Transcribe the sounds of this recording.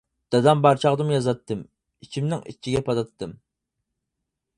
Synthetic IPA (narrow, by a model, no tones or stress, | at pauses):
d̪̥ɑd̪ɑmbɑɾt͡ʃʰɑʁd̪ɨmjɑzɑt̪ːɨm | it͡ʃʰimnɪ̰ŋḭt͡ʃʰːiɡʲɛpʰɑd̪ɑt̪d̪ɨm